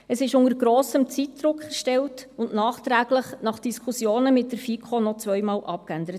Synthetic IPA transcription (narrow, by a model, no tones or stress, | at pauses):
əsɪʃʊŋəɾɡɾoːsəmt͡sit̚d̪ɾʊkːɛʃtɛltʊnʔnɑːχt̪ɾæːɡləχnɑχd̥iskʰusjoːnəmɪt̚dəɾfikʰχonɔt͡sʋœjmɑːlʔɑp̚kænd̪əɾət